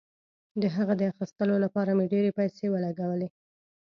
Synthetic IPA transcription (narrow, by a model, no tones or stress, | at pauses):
d̪əɦaɣad̪əaxist̪əlolapɑɾameɖeɾepajsewəlaɡawəle